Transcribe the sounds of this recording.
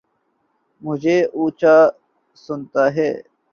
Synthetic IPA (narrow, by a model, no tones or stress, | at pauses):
mʊd͡ʑʱeːʔuːt͡ʃaː | sʊnt̪aːɦḛː